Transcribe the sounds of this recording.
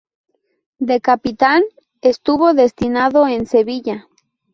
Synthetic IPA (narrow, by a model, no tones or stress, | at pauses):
d̪e̞kapit̪an | e̞st̪uβo̞ðe̞st̪inaðo̞ense̞βiʝa